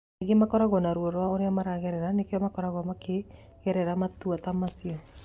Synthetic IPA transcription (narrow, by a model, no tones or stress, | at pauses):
ɡemakɔɾaɣɔnaɾwoɾwaoɾeamaɾaɣeɾɛɾanekeɔmakɔɾaɣɔmake | ɣɛɾɛɾamatuatamasjɔ